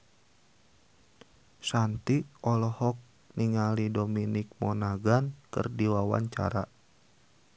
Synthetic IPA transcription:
sant̪iɔlɔhɔk̚ | niŋalidominik̚mɔnaɡankɨ̰rdiwawa̰ɲt͡ʃa̰ɾa̰

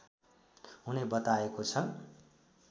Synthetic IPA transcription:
ɦunebʌt̪aekot͡sʰʌ

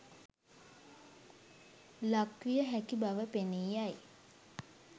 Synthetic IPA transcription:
lakʋijəɦækibaʋəpeniːjaj

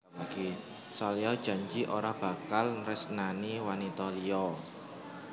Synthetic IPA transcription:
laki | sɔliɔd̥ʒ̥a̤ɲd͡ʒiʔoɾab̥a̤kalnrɪsnaniwanit̪ɔliɔ

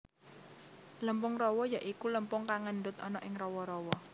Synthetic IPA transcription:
ləmpʊŋrɔwɔjaʔikuləmpʊŋkaŋənɖʊt̪ɔnɔʔɪŋrɔwɔɾɔwɔ

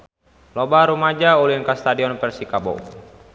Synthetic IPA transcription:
lɔbaɾumad͡ʒauliŋkast̪adiɔnpɛrsikabo̰

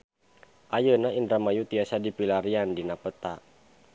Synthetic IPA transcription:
ʔajənainɾamajut̪iasadipilaɾiandinapət̪a̰

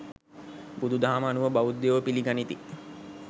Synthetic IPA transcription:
bud̪ud̪ʱaːməːnuʋəbaʋud̪ːeʋəpiliɡanit̪i

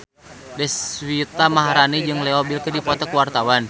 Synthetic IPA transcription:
dɛswit̪amaɦaɾanid͡ʒɨŋlɛɔbilkərdipɔt̪ɔkuwart̪awan

